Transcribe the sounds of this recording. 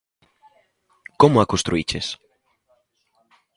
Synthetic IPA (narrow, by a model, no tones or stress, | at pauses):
komoakõst̪ɾuit͡ʃes